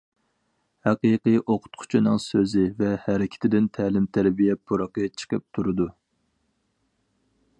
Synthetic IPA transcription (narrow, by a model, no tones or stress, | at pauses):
hæqiqɨjʔoqʰʊ̥t̪qʰʊ̥t͡ʃʰinɨŋsøzɪvɛhæɾɪkʲʰɪ̥t̪ʰɪd̪ɪnt̪ʰælɪmt̪ʰæɾbijɛpʰːuɾɑqət͡ʃʰə̥qʰəp̚t̪ʰuɾɨd̪u